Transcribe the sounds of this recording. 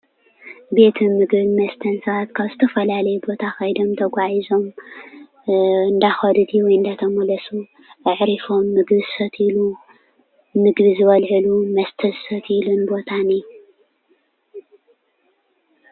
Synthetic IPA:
be̞t̪ʰɨmɨɡβimɐst̪ʰɐnsɐβat̪kʰaβzɨt̪ʰɐfɐlalɐjɛbo̞t̪ʰaxɐjd̪o̞mt̪ʰɐɡʷaʕizo̞m | ɨnd̪axɐd̪ɨd̪iwɔjɨnd̪at̪ʰɐmɐlɐsu | ʔɨʕɾifo̞mːɨɡβɨsɐt̪ʰilu | mɨɡβizɨβɐlʕɨlumɐst̪ʰɐsɐt̪ilunbo̞t̪ʰani

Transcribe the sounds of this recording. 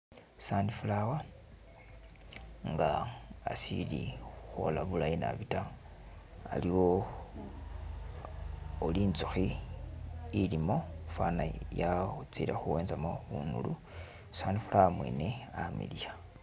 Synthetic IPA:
sandifulawa | ŋɡa̰ːsiliuxo̞laβulajina̰βita | aliwo̞ | oliːnt͡suxiː | limo̞fanajat͡silexuweːnzamounṵlu | sandifulawamwḛːne̞amḭlija

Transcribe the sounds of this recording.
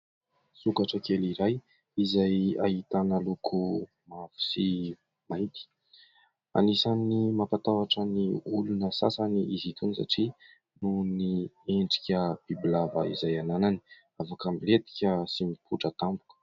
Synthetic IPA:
sukaʈ͡ʂəkeliɾaj | izaja̰ɦit̪anəlukʰu | mavu̥si | maj̪t̪i̥ | a̰nisanimapat̪awaʈ͡ʂəniulunəsa̰saniʔizit̪unisa̰ʈ͡ʂi | nunieɳɖ͡ʐi̥kʲəb̥ibilavə̰ḭzajananani | avakamilet̪i̥kʲəsimipʰuʈ͡ʂət̪ambu̥kə̥

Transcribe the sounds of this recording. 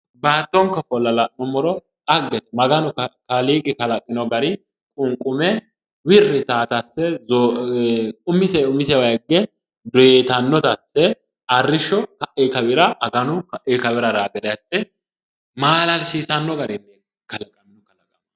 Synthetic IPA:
baːt̪ːɔŋkːɐfɔlːɐlɐɔmɔɾɔ | ɐɡːɛt̪ɛmɐɡɐnʊkɐkɐliːɡɪkɐlɐkʼːɪnɔɡɐɾɪ | kʼʊŋkʼʊmɛ | wɪrːɪt̪aːt̪ɐsːɛzɔ | ʊmːɪsɛʊmːɪsɛwɐjɡːɛ | d̪ɔjet̪ɐnːɔt̪ɐsːɛ | ɐrːɪʃːɔkɐʔɛkɐwɪɾɐɐɡɐnʊkʔɛkɐwɪɾɐɾaːɡɛd̪ɛjɐsːɛ | maːlɐlsiːsɐnːɔɡɐɾɪnːɛ | kɐlɐkʼɐnːɔkɐlɐkʼɐ

